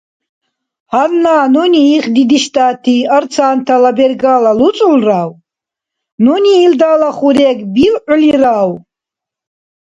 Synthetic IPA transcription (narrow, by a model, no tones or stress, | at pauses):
hannaːnɔniːχd̪id̪iʃt̪ʼat̪ʰiaɾt͡sʰaːnt̪ʰalabɛrɡalalut͡sʼulraw | nɔniːld̪alaχuɾɛɡbilʔliɾaw